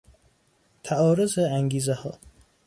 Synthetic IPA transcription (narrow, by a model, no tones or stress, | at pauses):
t̪ʰæɒːɾozeæŋɡiːzehɒː